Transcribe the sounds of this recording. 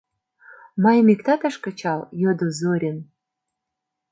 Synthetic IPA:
mɑjmikt̪ɑt̪ɑʃkɤ̆t͡ɕɑljod̪ozoɾʲen

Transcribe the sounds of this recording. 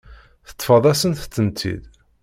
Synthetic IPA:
θə̥t̪ˤːfəðˤæsənθə̥t͡sːənt̪ʰḭd̪

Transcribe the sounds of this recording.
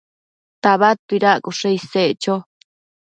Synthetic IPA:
t̪aβat̪uiɾaʔkuʂeiseʔt͡ʃo

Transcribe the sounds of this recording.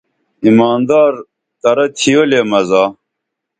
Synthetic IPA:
imaːnd̪aːɾ | t̪ɐɾɐt̪ʰijoleːmɐzaː

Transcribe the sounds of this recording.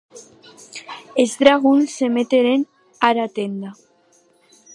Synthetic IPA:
ezðɾaɣunsemet̪eɾen | aɾat̪end̪a

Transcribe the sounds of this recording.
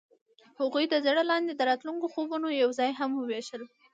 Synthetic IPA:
hʊɣujd̪əzɽəlɑnd̪ed̪əɾɑt̪luŋkoxobunojawzɑjɦamwəweʃəl

